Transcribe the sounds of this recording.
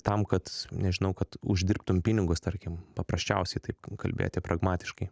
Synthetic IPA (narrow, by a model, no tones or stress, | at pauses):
t̪ɐmkɐt̪nʲɛʒʲɪnɐʊkɐt̪ʊ̰ʒʲd̪ʲɪɾrpt̪ʊmʲpʲɪnʲɪɡʊst̪ɐɾʲkʲɪmpɐpɾɐsʲt͡ʃʲɛʊsʲɛɪt̪ɐɪpkɐlʲbʲḛːjo̰ːt̪ʲɛpɾɐɡmɑːt̪ʲɪ̥ʃkɐɪ